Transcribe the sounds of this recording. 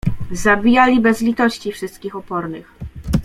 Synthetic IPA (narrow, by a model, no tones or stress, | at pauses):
zabʲijalʲibɛzlʲit̪ɔɕt͡ɕifʂɘst̪̚kʲixɔpɔɾnɘ̰x